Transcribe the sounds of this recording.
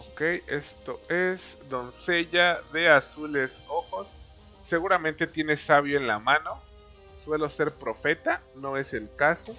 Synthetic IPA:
okeje̞̰st̪o̞esd̪o̞nse̞ʝaðe̞asule̞soxo̞sː | e̞ɣuɾamẽnt̪et̪je̞ne̞saβ̞joenlamãno̞ | swe̞lo̞se̞ɾpɾo̞fe̞t̪ano̞e̞selkaso

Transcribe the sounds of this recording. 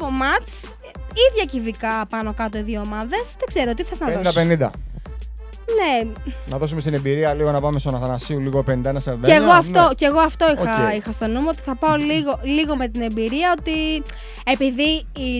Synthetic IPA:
omɐt͡s | iðʝɐcivikɐpɐno̞kɐt̪oiðjooːmɐðe̞sðeɡ̥ze̞ɾot̪iθeznɐðod̪ɐpenind̪ɐ̰ | nenɐðo̞sumest̪inembiɾiɐliɣo̞nɐpɐmest̪onɐθɐnɐsiuliɣopenind̪ɐenɐseðeeɣoɐft̪o̞ceɣoɐft̪o̞iɐixɐst̪o̞nomoot̪i̥θɐpɐoliɣo̞liɣome̞t̪ine̞mbiɾiɐo̞t̪i | e̞piðiː

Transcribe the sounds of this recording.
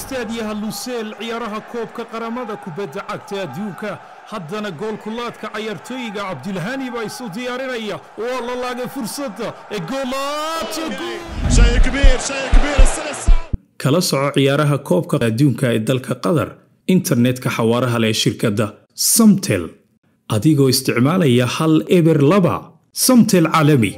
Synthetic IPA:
ɪst̪ʰaːðɪjɐɦɐlʊsɛːlʕɪjaːɾɐɦɐkʰɔːb̚kʰɐqɑɾɐmɐðɐkʰʊbɐd̪ːɐʕɑɡ̚t̪ʰɐɐd̪uːŋkʰɐ | hɐd̪ɐnɐɡɔːlkʰʊlːaːd̪kʰɐʕɑjaːrt̪ʰɔːjɪɣɐʕɑb̚d̪ʊlɦɐnɪβaːɪsʊd̪ɪjaːɾɪnɐjɐ | ɔlɐlaːɣɛfʊrsɐd̪ɐɛːɡɔːlat̪ʰɐɡʊʃɐjɡbiɾʃɐjkbiɾɐsɐɐs | kʰɐlɐsɔʕɔʕɪjaːɾɐɦɐkʰɔːb̚kʰɐɐd̪uːŋkʰɐɛːd̪ɐlkʰɐqɐðɐ̰r | ɪnt̪ʰɐrnɛd̪kʰɐħɑwɑːɾɐɦɐlɛʃɪrkʰɐd̪ɐ | sɐmt̪ʰɛl | ʔɐðɪɣɔːɪst̪ʰɪʕmaːlɐjɐhɐlɛβɛrlɐβɐ̰ | sɐmt̪ʰɛlʕaːlɐmɪ̰

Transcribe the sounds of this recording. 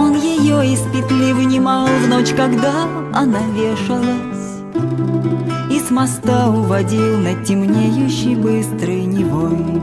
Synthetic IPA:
onjɪjoispʲɪt̪lʲivɨnʲɪmɑlˠvno̞t͡ɕkɐɡd̪a | ɐnavʲeʂɨlˠəsʲ | ismɐst̪aʊvɐdʲilˠnətʲːɪmnʲejʊɕːɪjbɨst̪ɾɨjnʲɪvol

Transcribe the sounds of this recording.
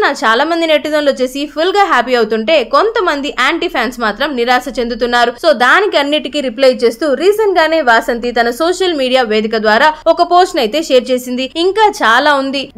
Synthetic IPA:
naːt͡ʃaːlaːmɐnd̪ine̞ʈːid̪ɐmlo̞ːt͡ʃe̞ːsipʰulɡaːɦaːpiɐwut̪uɳʈe̞ːko̞nt̪ɐmɐnd̪iʔaːɳʈipʰjaːnsmaːt̪ɾɐmniɾaːsɐt͡ʃe̞nd̪ut̪unːaːɾuso̞ːd̪aːnikiɐnːiʈikiɾiplɐjt͡ʃe̞ːst̪uːɾiːzɐnɡaːne̞ːʋaːsɐnt̪it̪ɐnɐsoːʂɐlmiːɽijaːʋe̞ːd̪ikɐd̪ʋaːɾaːɔkɐpo̞ːsʈnɐjit̪e̞ːʃe̞ːɾt͡ʃe̞ːsind̪iiŋkaːt͡ʃaːlaːund̪i

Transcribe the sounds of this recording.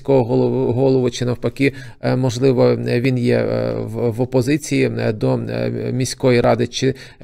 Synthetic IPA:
kɔɦɔɦˠɦɔlˠɔʋʊt͡ʃɪnɐwpɐkʲi | mɔʒlˠɪʋɔʋʲinjɛ̰ʋʋɔpɔzɪt͡sʲijid̪ɔmʲisʲkɔjiɾɑd̪ɪt͡ʃɪ

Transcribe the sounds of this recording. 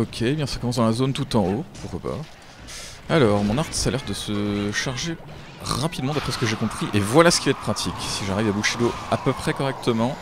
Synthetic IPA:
ɔkʲʰebjɛ̃sḁkɔmɑ̃s̬d̪ɑ̃lazont̪ut̪ɑ̃opuʁkwapa̰ | alɔʁmɔ̃naʁt̪salɛʁd̪əsəʃaʁʒe | ʁapid̪mɑ̃d̪apχɛsə̥kəʒekɔ̃pχiʔevwalasə̥kʲivaɛt̪əpχat̪ʰikʲsiʒaʁivabuʃed̪oapəpχɛkɔʁɛk̚t̪əmɑ̃

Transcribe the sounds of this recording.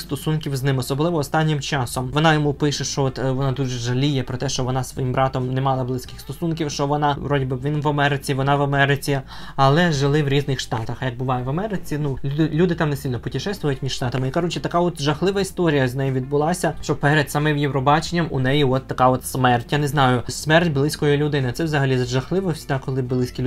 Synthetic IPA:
st̪ɔsunkʲiwznɪmɔsɔblˠɪʋɔːst̪ɑnʲːɪmt͡ʃɑsɔmʋɔnɑjɔmupɪʃɛʃt͡ʃɔɔt̪ʋɔnɑd̪uʒɛʒɐlʲijɛpɾɔt̪ɛʃt͡ʃɔʋɔnɑsʋɔ̰jimbɾɑt̪ɔmnɛmɑlˠɐblˠɪsʲkɪxst̪ɔsunkʲiwʃt͡ʃɔʋɔnɑʋɾɔdʲibɪʋʲinʋɐmɛɾɪt͡sʲiʋɔnɑʋɐmɛɾɪt͡sʲi | ɐlˠɛʒɪlˠɪʋɾʲiznɪxʃt̪ɑt̪ɐxɐjɐɡ̚bʊʋɑjɛʋɐmɛɾɪt͡sʲinulʲud̪ɪlʲud̪ɪt̪ɑmnesɪilʲnɔpʊtʲiʃɛst̪ʋɔjʊtʲmʲiʒ̥ʃt̪ɑt̪ɐmɪikɐɾut͡ʃɪt̪ɐkɑɔt̪ʒɐxlˠɪʋɐist̪ɔɾʲijɐznɛjiʋʲid̪̚bʊlˠɑsʲɐʃt͡ʃɔpɛɾɛd̪sɑmɛwjɛwɾɔbɑt͡ʃenʲːɐmʊnɛjʊɦɔt̪ːɐkɑɔt̪smɛrtʲjaneznɑjʊsmɛrtʲblˠɪsʲkɔjʊlʲʊd̪ɪnɪɐt̪sɛwzɐɦɐlʲizɐʒɐxlˠɪʋɔsʲd̪akɔlˠɪblˠɪsʲkʲilʲ

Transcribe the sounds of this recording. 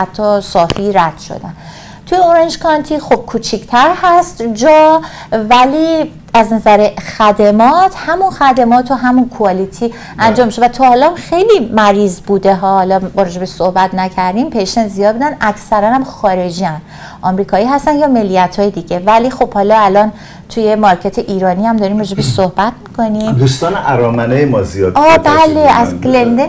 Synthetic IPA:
æt̪ʰːɒsɒːfiɾæd̪̥ʃo̰d̪æn | t̪ʰujeoɾend͡ʒkʰɒnt̪ʰiːxob̥̚kʰuːt͡ʃʰict̪ʰæɾhæst̪d͡ʒɒː | væliː | æznæzæɾexæd̪emɒːt̪ʰhæmunxæd̪emɒːt̪ʰoɦæmunkʰuɒːlit̪ʰiː | ʔænd͡ʒɒːmːiʃevæt̪ʰɒːhɒlɒmxejliːmæɾiːzbuːd̪eɦɒːhɒlɒːɾɒːd͡ʒe̞beʃsohbæt̪ʰnæcʰæɾd̪impʰejʃenzijɒːd̪̚buːd̪ænʔæcʰsæɾænæmxɒːɾe̞d͡ʒiæn | ʔɒːmɾiːkʰɒːiːɦæst̪ænd̪jɒːmelːijæt̪ʰhɒːjed̪iɟe̞vælixo̞b̥hɒːlɒælɒːn | t̪ʰuje̞mɒɾcʰet̪ʰeʔiːɾɒːniæmd̪ɒːɾiːmɾɒːd͡ʒe̞beʃsohbæt̪ʰmi̥kʰo̞nimd̪ust̪ɒːnʔæɾɒːmænejemɒːzijɒːd̪̚ɒːbæleʔæzɡlend̪e

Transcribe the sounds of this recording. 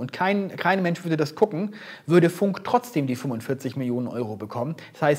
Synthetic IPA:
ʔʊntkʰaɪnkʰaɪnmɛnʃv̥ʏɐdədasɡ̥ʰʊkŋ̩ | vʏɐɾəfʊŋktʁ̥ɔt͡sd̥eːmdiːfʏmʊntfɪɐt͡sɪçmɪljoːnənʔɔ̰ʏʁobəkʰɔmən | shaɪs

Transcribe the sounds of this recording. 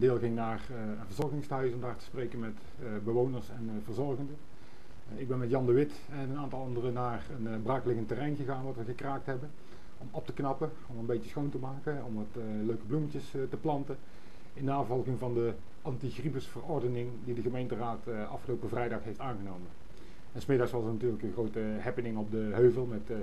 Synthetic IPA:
ndɪːlˠɣɪŋnaːr | ənvəɹzɔrɣɪŋstœɥsɔmdaːɹtə̥sprejkənmɛt | bəʋownəɹsɛnvəɹzɔrɣəndə | ɪɡ̚bɛnmɛtjɑndəʋɪt | ɛnənaːntɑlˠɑndərənaːrənbraːkəlɪɣəntərɛjnɣəɣaːnʋɑtʋəɣəkraːk̚tɦɛbən | ɔmɔp̚təknɑpə | ɔmənbejtəsxowntəmaːkəɔmʋɑt | løɥkəblumətəstəplɑntə | ɪndəːfɑlˠɣɪŋvɑndə | ʔɑntixribəsfərɔrdənɪŋdidəɣəmejntəraːt | ʔɑ̰fxəlowpəvrɛjdɑxɦejftaːnɣənowmən | ɛnsmɪdɑxsʋɑsənatyːrləkənɣrowtəɦɛpənɪŋɔb̚dəɦøɥvəlˠmɛt

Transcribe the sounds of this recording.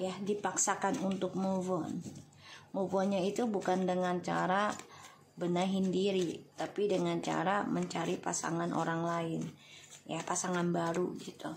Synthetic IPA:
jadipaksakanunt̪ʊk̚movɔn | movɔnɲait̪ubukandəŋant͡ʃa̰ɾa | bənaɦindiɾit̪apidəŋant͡ʃa̰ɾaməɲt͡ʃaɾipa̰sa̰ŋanʔo̰ɾaŋlaɪnjapasaŋanbaɾuɡit̪u

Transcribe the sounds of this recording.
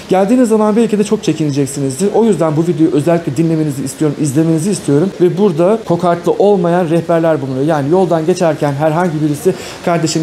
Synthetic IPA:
ɟ̥ælʲd̪iːnizːamanbiilʲcʰid̪ɛt͡ʃʰo̞k̚t͡ʃʰe̞cʰined͡ʒɛcsinizd̪iɾʔo̞jyzd̪ænbuvid̪ejuʔø̞zɛlʲːiclʲɛd̪inlʲe̞me̞niziːst̪ʰijo̞ɾumizlʲe̞me̞niziːst̪ʰijo̞ɾumvɛbuɾd̪akʰo̞kʰaɾt̪lˠɯʔo̞lˠmajanɾɛhbæɾlʲæɾbunˠajojaːnijo̞lˠd̪anɟe̞t͡ʃʰæɾcʰænɦæɾɦaɲɟibiɾisi | kʰaɾd̪e̞ʃim

